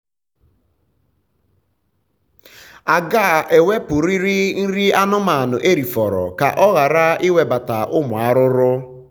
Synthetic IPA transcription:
a˨ɡa˦˨ʔe˨we˦pʊ˨ɾi˦ɾi˦n̩˦ɾi˦a˦nʊ˦ma˨a˨nʊ˨ʔe˦ɾi˨fɔ˨ɾɔ̰˨ka̰˨ʔɔ˦ɣa˨ɾa˦i˦we˦ba˨ta˨ʔʊ˦mʊ˨a˦ɾʊ˦ɾʊ˦

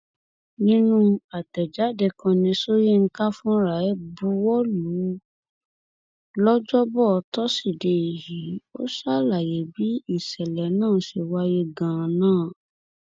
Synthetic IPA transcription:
nĩ˦nũ˦a˨tɛ˨d͡ʒa˨˦de˧kã˧nĩ˧so˦je˦ŋ̩˦ka˦fũ˦ɾa˨ɛ˦bu˧wɔ˦lu˨˦ | lɔ˦d͡ʒɔ˦bɔ˦˨˧tɔ˦si˦˨de˧i˨ɦi˨˦o̰˦sa˦la˨je˨˦bi˨˦i˦˨sɛ˨lɛ˨˦nãː˦˨˦ʃe˧wa˧je˧ɡã˨nãː˦˨

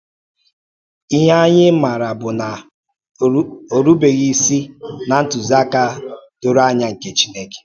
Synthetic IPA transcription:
i˦ɦa˦ɲɪ˦ma˨ɾa˨bʊ˨na˨ | o˨ɾu˦be˨ɣi˦si˦na˨n̩˦tʊ˨za˦ka˦tʊ˨ɾa˦ɲa˦ŋ̩˨ke˨t͡ʃi̥˦ne˦ke̥˨

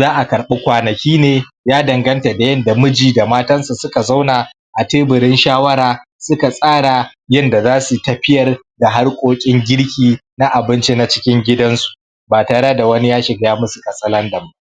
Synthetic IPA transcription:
zaː˦ʔa˨kɐ˨ɾɓe˦kʷaː˨nɐ˨kʲiː˦neː˨ | jaː˦dɐ˨ŋɡɐ˦nta˨da˨jɐ˦nda˨mʊ˦d͡ʒiː˨da˨maː˦tɐ˦nsu˨sʊ˦ka˨za˦wna˨ | ʔa˨teː˦bʊ˨ɾɪ˦nʃaː˦wɐ˦ɾaː˨ | sʊ˦ka˨sʼaː˦ɽa˨jɐ˦nda˨zaː˦su˨tɐ˦ɸɪ˦jɐ˨r | da˨ɦa˦rkʷʼoː˦kʲʼɪ˦ŋɡʲɪ˦ɽkʲiː˨ | na˦ʔa˨bɪ˦nt͡ʃe˦na˦t͡ʃɪ̥˦kʲɪ˦ŋɡʲɪ˦dɐ˦nsu̥˨ | baː˨taː˨ɽɐ˦da˨wɐ˦ni˦jaː˦ʃɪ˨ɡjaː˦mʊ˦su˨kɐ˨sʼɐ˦lɐ˦ndɐ˨ma˦

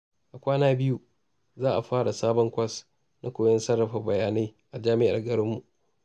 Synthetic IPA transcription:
ʔa˨kʷaː˦naː˦bɪ˦ju˦ | zaː˦ʔa˨ɸaː˦ɽa˨saː˦bɔ˦ŋkʷɐ˦s | na˦kʷoː˨jɐ˦nsɐ˦rːɐ˨ɸɐ˨bɐ˨jaː˨na˦jʔa˨d͡ʒaː˦mɪ˦ʔa˨rɡɐ˦ɽɪ˦mːu˨ʔ

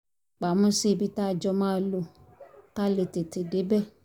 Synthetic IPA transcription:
k͡pa˨mũ˦se˦˧˨bi˧ta˦˧d͡ʒɔ˧mãː˦˨˦lo˧ | ka˦le˨te˨te˨de˨˦bɛ˦˨

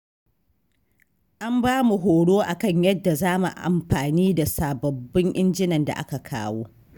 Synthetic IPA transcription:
ʔa˦mbaː˦mu˨ɦoː˨ɽoː˦ʔa˨kɐ˦˨ɲjɐ˦dːa˨zaː˦mu˨ʔa̰˨mɸaː˨niː˦da˨saː˨bɐ˨bːɪ˦ŋʔɪ˦nd͡ʒɪ˦nɐ˨nda̰˨ʔa̰˦ka˨kʰaː˦woː˦

